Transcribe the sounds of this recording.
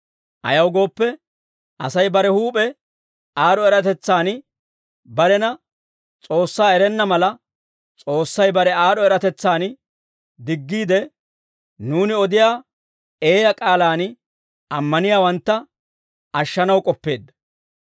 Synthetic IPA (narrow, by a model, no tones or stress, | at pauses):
ʔɐ̰jɐwɡo̞ːpːɛ | ʔɐsɐjbɐɾɛhuːpʼɛ | aːɾɔɛɾɐt̪ɛt͡sːaːn | bɐɾɛnɐ | t͡sʼo̞ːsːaːɛɾɛnːɐmɐlɐ | t͡sʼo̞ːsːɐjbɐɾɛaːdɔɛɾɐt̪ɛt͡sːaːn | d̪ɪɡːiːd̪ɛ | nuːnɪɔd̪ɪjaː | e̞ːjɐkʼaːlaːn | ɐmːɐnɪjaːwɐnt̪ːɐ | ɐʃːɐnɐwkʼɔpːe̞ːd̪ːɐ̥